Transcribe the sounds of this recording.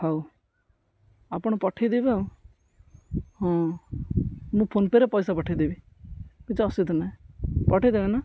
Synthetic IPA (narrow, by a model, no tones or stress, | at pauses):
haw | apɔɽ̃ɔpɔʈʰijd̪ebe | ɦɔ̃ | mũpʰonpeɾepɔjsapɔʈʰijd̪ebi | kit͡ʃɔsid̪ɔnaĩpɔʈʰid̪ebena